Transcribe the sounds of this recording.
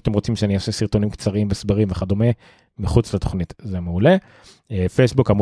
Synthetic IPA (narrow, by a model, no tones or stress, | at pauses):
at̪emʁo̞t͡simʃeaniosesiʁt̪o̞nimkt͡saʁiimbesbaʁimveχad̪ome | miχut͡slat̪oχnitzemeule̞ | efejsbukam